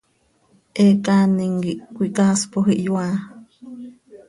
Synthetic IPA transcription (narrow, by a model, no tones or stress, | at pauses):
ʔekaniŋɡiʔkʷikaspoɦiʔjwa